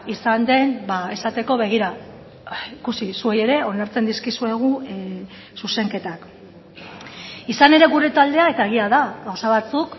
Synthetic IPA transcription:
isand̪e̞nbae̞sat̪e̞ko̞β̞e̞ɣ̞iɾa | ikusisue̞je̞ɾe̞o̞naɾt͡se̞nd̪iskisue̞ɣ̞u | suse̞ŋke̞t̪ak | isane̞ɾe̞ɣuɾe̞t̪ald̪e̞ae̞t̪ae̞ɣ̞iaðaɣawsaβ̞at͡suk

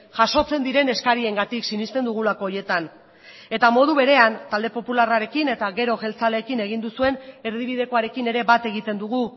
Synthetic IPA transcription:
ʝaso̞t͡se̞nd̪iɾe̞ne̞skaɾie̞ŋɡat̪iksinist̪e̞nd̪uɣ̞ulako̞ːje̞t̪an | e̞t̪amo̞ð̞uβe̞ɾe̞ant̪ald̪epo̞pularaɾe̞kine̞t̪aɣe̞ɾo̞ʝe̞lt͡sale̞ːkine̞ɣind̪usue̞ne̞ɾð̞iβ̞ið̞e̞ko̞aɾe̞kine̞ɾe̞βat̪e̞ɣit̪e̞nd̪uɣu

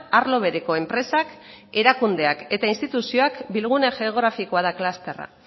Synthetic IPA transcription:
aɾlo̞β̞e̞ɾeko̞e̞mpɾe̞sake̞ɾakund̪e̞ake̞t̪ainst̪it̪usio̞akbilɣ̞uneʝe̞oɣɾafiko̞aðaklast̪e̞ra̰

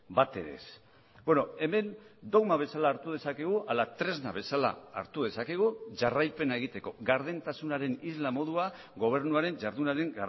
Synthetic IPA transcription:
bat̪e̞ɾe̞̰s | beno̞e̞me̞nd̪o̞ɣmaβ̞e̞salaːɾt̪uð̞e̞sakeɣ̞uʔalat̪ɾe̞zna̰βe̞sala̰ːɾt̪uð̞e̞sakeɣ̞uʝarajpe̞naeɣ̞it̪e̞ko̞ɣaɾð̞ent̪asunaɾe̞nizlamo̞ðua | ɣo̞β̞e̞ɾnuaɾe̞nd͡ʒaɾðunaɾe̞ŋɡa

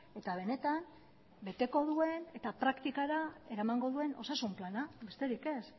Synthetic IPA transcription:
e̞t̪aβ̞e̞ne̞t̪am | be̞t̪e̞ko̞ðue̞ne̞t̪apɾakt̪ikaɾae̞ɾamaŋɡo̞ðue̞no̞̰sasumplanabe̞st̪e̞ɾike̞s

